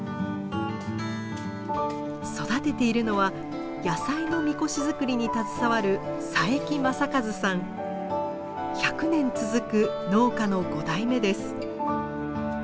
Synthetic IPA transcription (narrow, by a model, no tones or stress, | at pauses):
so̞d̪at̪e̞t̪e̞iɾɯ̟no̞βa | jasaino̞mʲiko̞ɕizɨkɯ̟ɾʲiɲ̟it̪at͡sɨ̥saβaɾɯ̟saekʲimasakazɨsãŋ | çakɯ̟nẽ̞nt͡sɨzɨkɯ̟no̞ːkano̞ɡo̞d̪aime̞d̪e̞sɨ̥